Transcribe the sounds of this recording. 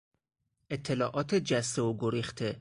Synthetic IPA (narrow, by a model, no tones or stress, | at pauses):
ʔet̪ʰːelɒːʔɒːt̪ʰed͡ʒæst̪eoɡoɾiːxt̪ʰe